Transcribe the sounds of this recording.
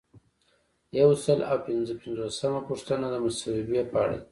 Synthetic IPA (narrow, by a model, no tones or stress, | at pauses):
jawsəlawpɪnzəpɪnzosamapuʂt̪ənad̪əmasawibjapəa̰ɽa̰i